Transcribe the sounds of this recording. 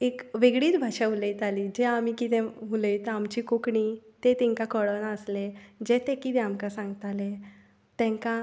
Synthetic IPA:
ekʋeɡɽiːt̪bʱaʂaɦulejt̪alid͡ʑeamikit̪ẽmuləjt̪əamt͡ɕiːkokɳit̪et̪ĩŋkakəɽonaəsled͡ʑet̪ekit̪ẽamkasãŋɡt̪ale | t̪ɛ̃ŋka

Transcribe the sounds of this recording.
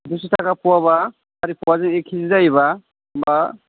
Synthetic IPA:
dusitʰakʰapuwaβaː | ɾipuwazɯŋekʰːizizajβa | mba

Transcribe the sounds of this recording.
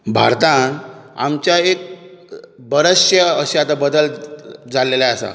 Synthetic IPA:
bʱa̰ɾt̪ãna̰mt͡ɕjaek̚ | bəɾəɕjəəɕeat̪abəd̪əld͡zaleljaəsa̰

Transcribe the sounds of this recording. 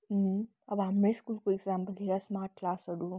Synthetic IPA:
ɐbameskuːlkueɡzãːmpɐlɦiɾasmaːʈ̚klaːsɐɽu

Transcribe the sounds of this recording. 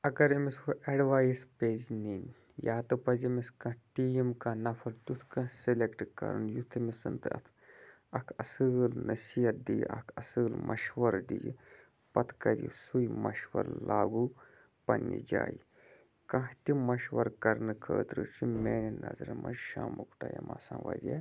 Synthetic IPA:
ɐɡɐɾimisuʔeɖʋaːjspeːznin | jaːt̪ɨpɐzimiskɐ̃ʈimkɐ̃nɐfʰɐɾt̪ut̪ʰkɐ̃silekʈkɐ̰ɾnjut̪ʰimisɨnt̪ɨɐ̰t̪ʰ | ɐkʰɐsɨːlnɐsijɐt̪̚d̪ijʔɐkʰɐsɨːlmʔɐ̰ʃʋɐɾd̪iji | pɐt̪ʰkɐɾʲḭsujmɐʃwɐ̰ɾlaːɡu | pɐnʲːḭd͡ʒaːji | kɐ̃ɦt̪imɐʃʋɐɾkɐɾnɨkʰəːt̪ɾɨt͡ʃʰumeːninʔɐzɾmɐʃaːmukʈajɐmasãʋɐɾʲje

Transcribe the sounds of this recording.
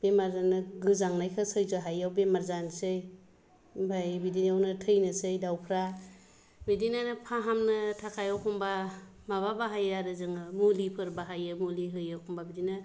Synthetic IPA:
b̥emaɾzanɯɡɯzaŋnajkʰɯsɯjzɯɦajawbemaɾzansɯj | bʱajbidinawnɯtʰɯjnɯsɯjdawkʰɾa | bidinanpʰaɦamnɯtʰakʰajawkʰɔmba | maβabaɦajaɾɯzɯŋɯmulipʰɯɾbaɦajɯmuliɦɯjawkʰɔmbabidinɯ

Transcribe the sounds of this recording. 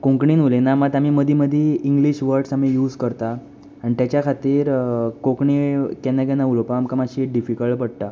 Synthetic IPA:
kõŋkɳiːnulenamat̪amiməd̪ʱiməd̪ʱiiŋɡliɕʋəɾɖsamijuːd͡zkəɾt̪aː | nit̪jat͡ɕjakʰat̪iːɾkõkɳikɛnːakɛnaulopaːmkamaɕiɖifikəɭbəɽ̚t̪a

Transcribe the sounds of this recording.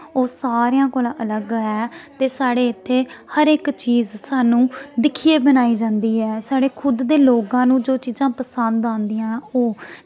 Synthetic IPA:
oːsaːɾejãːkoːlãːʔələɡɦɛːt̪eːsaːɽeːɪt̪ʰːeːhəɾɪkt͡ʃiːzsaːnũːd̪ɪkʰiːeːbənaːiːd͡ʒãːnd̪iːɦɛːsaːɽeːkʰʊd̪ːeːloːkãːnũːd͡ʒoːt͡ʃiːzãːpəsənd̪ãːnd̪iːãːoː

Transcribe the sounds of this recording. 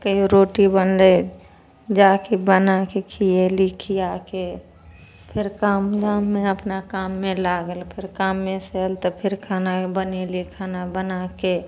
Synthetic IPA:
kəɦiɾoːʈibənle | d͡ʒaːkebənakekʰielikʰijake | pʰɪɾkaːmd̪amːeəpnakaːmːẽlaɡəlpʰɪɾkaːmːẽselt̪ɔpʰɪɾkʰaːnabənelikʰaːnabənake

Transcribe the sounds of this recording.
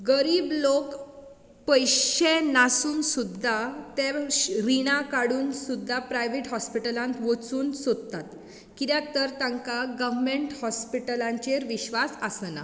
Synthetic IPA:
ɡəɾiːblok | pəjɕenasuːnsud̪ʱːat̪eɾiɽ̃ãkaɽuːnsud̪ʱːapɾajʋeʈɦɔspiʈəlãnt̪ʋət͡suːnsod̪̚t̪at̪ | kit̪jãt̪əɾt̪ãŋkaɡəʋmeɳʈhɔspiʈəlãɲt͡ɕeɾʋiɕʋasəsna̰

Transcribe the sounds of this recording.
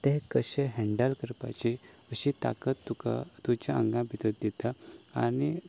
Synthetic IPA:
t̪eɦkəɕẽɦɛ̃ɳɖəlkəɾpa̰t͡ɕi | əɕit̪a̰kət̪ːuka̰t̪ut͡ɕjaəŋɡãbʱit̪ət̪̚d̪it̪ʰaa̰ni

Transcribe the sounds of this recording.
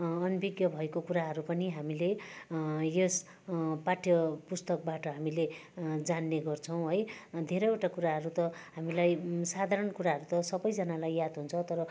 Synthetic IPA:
ʌnbiɡjʌbʱʌekokuɾaɦʌɾupʌniɦamile | jes | paʈʰjʌpust̪ʌk̚baʈʌɦamiled͡zanːeɡʌrt͡sʰʌw̃ɦʌjd̪ʱeɾʌjewʈakuɾaɦʌɾut̪ʌɦamilajsad̪ʱaɾʌnkuɾaɦʌɾut̪ʌsʌbʌjd͡zʌnalajjad̪ɦunt͡sʰʌt̪ʌɾʌ

